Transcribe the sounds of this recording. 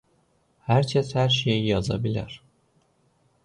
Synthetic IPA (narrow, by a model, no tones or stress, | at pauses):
hæɾcʰæshæɾʃejijɑzɑ̰bilʲæ̰ɾ̥